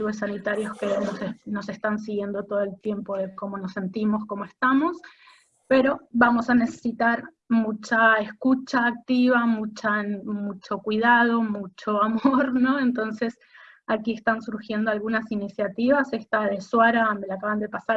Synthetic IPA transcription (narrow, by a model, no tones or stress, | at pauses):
ɾuesːanit̪aɾjo̞ske̞nosno̞se̞st̪ans̬iɣje̞nd̪o̞t̪oð̞oe̞lt̪je̞mpo̞ðe̞ko̞mo̞no̞sːe̞nt̪imo̞sko̞moe̞st̪amo̞s | pe̞ɾo̞βamo̞sane̞se̥sit̪aɾ | mut͡ʃae̞skut͡ʃaːk̚t̪iβamut͡ʃamut͡ʃo̞kwið̞að̞o̞mut͡ʃo̞amo̞ɾno̞ent̪o̞nse̞s | akie̞st̪ansuɾxje̞nd̪o̞alɣunasinisjat̪iβase̞st̪aðe̞swaɾame̞lakaβand̪e̞pasaɾ